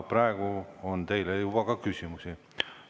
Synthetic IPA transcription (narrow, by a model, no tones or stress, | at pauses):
prɑeɡ̥uont̪e̞jlejub̥ɑkɑkysʲimusi